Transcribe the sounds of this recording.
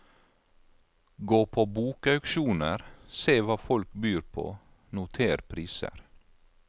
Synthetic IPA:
ɡoːpʰoːbuːkɑʉkʃuːnəɾseːʋɑːfɔlkbyːɾpʰo̰ː | nʊt̪ʰeːɾpʰɾiːsə̰ɾ

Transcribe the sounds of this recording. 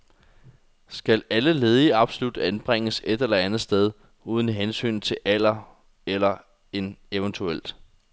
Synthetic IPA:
sɡ̥ælæləle̝ð̞ˠiɑ̈b̥solud̥ænb̥ʁeŋ̰əse̝d̥elɐænð̞̩ˠsd̥eð̞ˠ | uːð̞ˠən̩ɦensy̰ːnt͡sʰe̝ʔæl̰ɐ | elɐ | e̝neʋənt͡sʰuel̰d̥

